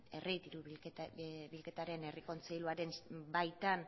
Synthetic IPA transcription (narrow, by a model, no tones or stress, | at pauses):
e̞rʔit̪iɾu | βilke̞t̪aɾe̞ne̞riko̞nt͡sejluaɾe̞nbajt̪an